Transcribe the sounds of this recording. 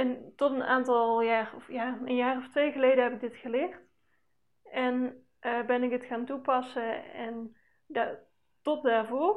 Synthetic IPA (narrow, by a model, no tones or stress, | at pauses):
ɛntɔtənaːntɑlˠjaːrɔfjaːənjaːrɔftʋejɣəlejdəɦɛpɪɡ̚dɪtxəlɪːχt | ʔɛn | ʔəbɛnɪkətxaːntupɑsəɛn | da | tɔt̚daːɹvʊːr